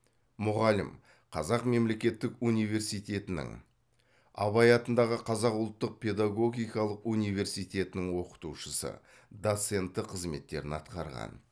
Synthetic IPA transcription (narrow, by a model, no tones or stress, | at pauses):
mʊʁɑlɪ̰m | qʰɑzɑqme̞mle̞kʲe̞t̪ːɪkunijve̞ɾsijt̪e̞t̪ɪnɪ̰ŋ | ɑ̰βɑjɑt̪ənd̪ɑʁəqʰɑzɑqʊlˠt̪ːəq̚pʰe̞d̪aɡo̞ɡʲijkɑlˠəqunijve̞ɾsijt̪ʲe̞t̪ɪnɪŋwo̞qə̥t̪uʃəsə̰ | d̪o̞t̪se̞nt̪ːɪqʰəzme̞t̪ːe̞̰ɾɪnɑ̰t̪qɑɾʁɑ̰n